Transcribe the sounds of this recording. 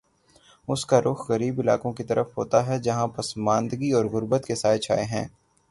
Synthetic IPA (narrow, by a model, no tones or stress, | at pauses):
ʊskaɾʔʊxɣɐɾiːbɪla̰ːkõkit̪ɐɾəfɦoːt̪aɦɛd͡ʒɐɦãpɐsmãːnd̪ɡiɔːɾɣʊɾbət̪kesaːɪt͡ʃʰa̰ːeɦɛ̃ː